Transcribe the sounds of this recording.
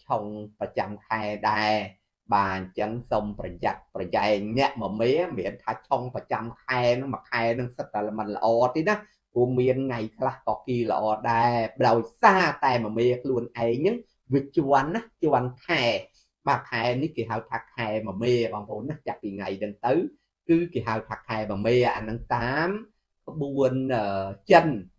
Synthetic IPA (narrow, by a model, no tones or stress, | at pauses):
t͡ɕʰoŋprɑt͡ɕamkʰaɛɗaɛ | ɓaːɲt͡ɕəŋsomprɑjat̪̚prɑjaɛŋnɛ̆əʔmɔmeːmiənt̪ʰaːt͡ɕʰoŋprɑt͡ɕamkʰaɛnɨŋmɔkʰaɛnɨŋsət̪ːalamət̪̚lə̰̆ʔɑːt̪eːnah | kuəmiənŋajkʰlahkɑːkiːlə̰̆ʔɑːɗaɛɗaɔjsaːt̪aɛməmeːkʰluənʔaɛŋnɨŋ | ʋic̚t͡ɕuənːaht͡ɕɔənkʰaɛ | ɓaːkʰaɛnihkeːɦaəwt̪ʰaːkʰaɛmɔmeːɓɑːŋpʰʔoːnːaht͡ɕaʔ̚piːŋajnɨŋt̪ɨw | kɨːkeːɦaəwt̪ʰaːkʰaɛmɔmeːʔanɨŋt̪aːm | kʰə̆ɓuənʔəːt͡ɕən